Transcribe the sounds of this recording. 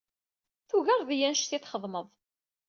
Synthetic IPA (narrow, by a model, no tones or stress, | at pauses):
θuɣəɾˤðijænʃθiθχəðˤməðˤ